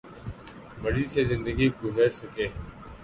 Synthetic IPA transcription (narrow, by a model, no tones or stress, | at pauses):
məɽiːseːzɪnd̪əɡiːɡʊzəɾsəkeː